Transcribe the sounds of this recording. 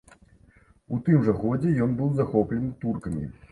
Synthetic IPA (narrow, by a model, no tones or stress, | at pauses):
ut̪ɨmʐɐxɔd͡zʲɛjɔnbɨwzaxɔplʲɛnɨt̪urkɐmʲḭ